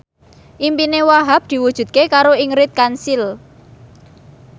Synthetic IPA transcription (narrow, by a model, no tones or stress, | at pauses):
ʔimpinewaɦap̚d̪̥i̤wud̥ʒ̥ṳd̪̚kekaɾoiŋɾɪt̪̚kansil